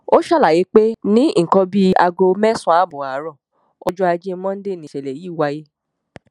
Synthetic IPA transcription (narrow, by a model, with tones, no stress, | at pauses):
o˦ʃa˦la˨je˨˦k͡pe˦nĩ˦i˦ŋ̩˨kɔ̃˧bi˦a˧ɡo˧mɛ̃˦sɔ̃˦a˨˦bu˨a˨˦ɾɔ̃˦˨ | ɔ˧d͡ʒɔ˦a˧d͡ʒi˦mɔ̃˦de˦˨nĩ˨ʃɛ˨lɛ˨jiː˦˨wa˧ji˧